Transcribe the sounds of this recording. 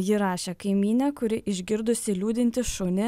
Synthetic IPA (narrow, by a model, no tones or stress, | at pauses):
jɪɾɑːʃʲeːkɐɪmʲiːnʲɛːkʊɾʲɪʔɪʒʲɡʲɪɾd̪ʊsʲɪlʲuːd̪ʲɪnʲt̪ʲɪʃʊnʲɪ